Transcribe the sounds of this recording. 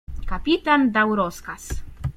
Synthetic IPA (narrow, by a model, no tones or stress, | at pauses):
kapit̪and̪awɾɔskas